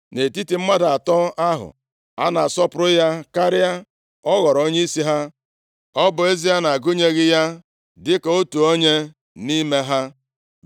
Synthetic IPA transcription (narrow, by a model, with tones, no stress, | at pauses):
ne˨ti˦ti˨m̩˦ma˦da˨a˨tɔ˦a˦ɦʊ̰˨ | a̰˦na˨sɔ˦pʊ˨ɾʊ˦ja˦ka˦ɾɪ˦a˦ | ɔ˦ɣɔ˨ɾo˦ɲe˦i˦si˦ɦa˦ | ɔ˦bʊ˨e˦zi˦a˦na˨a˨ɡʊ˦ɲe˦ɣɪ˦ja˦ | dɪ˦ka˨o˦tu˨o˦ɲe˦ | ni˦me˦ɦa˦